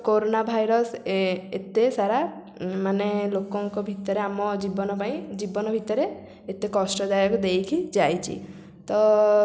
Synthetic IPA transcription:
koɾonabʱajɾɔset̪esaɾa | manelokɔŋkɔbʱit̪ɔɾeamɔd͡ʒibɔnɔpãĩd͡ʒibɔnɔbʱit̪ɔɾe | et̪ekɔsʈɔd̪ajɔkud̪ejkʰid͡ʒajt͡ʃʰḭ | t̪ɔ

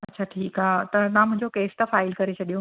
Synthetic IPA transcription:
ɐtːɕʰaːʈʰiːkɦaːt̪ɐt̪ɐãmʊ̃ɦɪ̃ɲd͡ʑokeːst̪ɐfaːɪlkɐɾet͡ɕʰɐɗijõ

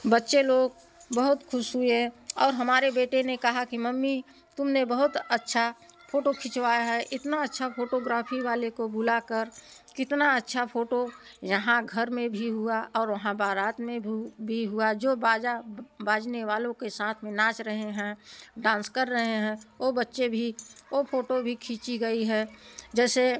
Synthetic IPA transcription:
bətːʃeloːɡ | bəɦʊt̪kʰʊʃɦueɦɔːɾɦɐmaːɾebeːʈenekɐɦakiməmːi | t̪ʊmnebəɦʊt̪ətːʃʰapʰoːʈokʰɪt͡ʃʋaːjaɦɛʔɪt̪naətːʃʰapʰoːʈoɡɾaːpʰiʋaːlekobʊlakəɾkɪt̪naətːʃʰapʰoːʈojɐɦãɡʱɐɾmẽbʱiɦuaɔːɾʋɐɦãbaːɾaːt̪mẽbʱiɦuad͡ʒoːbaːd͡ʒabaːd͡ʒneʋaːlõkesaːt̪ʰmẽnãːt͡ʃɾəɦeɦɛ̃ɖãːnskəɾːəɦeɦɛ̃obətːʃebʱiopʰoːʈobʱikʰĩːt͡ʃiɡɐiɦɛːd͡ʒɛːse

